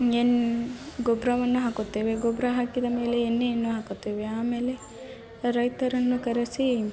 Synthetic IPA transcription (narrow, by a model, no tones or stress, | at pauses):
enɡɔbɾaʋɐnːuɦaːkot̪ːeːʋe̞ɡɔbɾɐɦaːkid̪ɐme̞ːleːnːeenːuɦaːkot̪ːeːʋeaːme̞ːle̞ | ɾɐjt̪ɐɾɐnːukɐɾesi